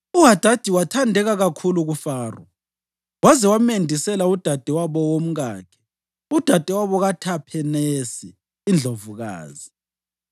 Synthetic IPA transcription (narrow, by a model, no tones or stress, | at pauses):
uɦad̥ʱad̥ʱiwatʰandʱɛɣaɣakʰuluɣufaːrɔ | wazɛwamendʱisɛlaud̥ʱad̥ʱɛwaβɔwom̩ɣa̰ːkʰɛ̥ | ud̥ʱad̥ʱʼɛwaβɔɣatʰapʰɛnesiː | nd͡ɮʱovuɣa̰ːzi